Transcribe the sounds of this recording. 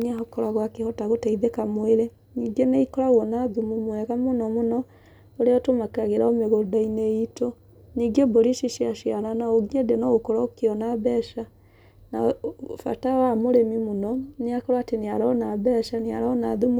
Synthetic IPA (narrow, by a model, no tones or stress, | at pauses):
neaɦɔkɔɾaɣwakehɔtaɣotaiðekamweɾe | ɲiɡeneikɔɾaɣwɔnaðumumwɛɣamonɔmonɔ | oɾeɔtomakaɣeɾaomeɣodaineito | niːɡeboɾiʃiʃiaʃiaɾanaoɣiɲedenɔɣokɔɾaokeɔnabɛʃa | nafa̰tawamoɾemimonɔneakɔɾwateneaɾɔnabɛʃanea̰ɾɔnaðumu